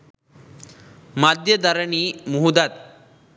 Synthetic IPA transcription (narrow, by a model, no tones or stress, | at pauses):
mad̪jəd̪ʱaɾəɳimuɦud̪at̪̚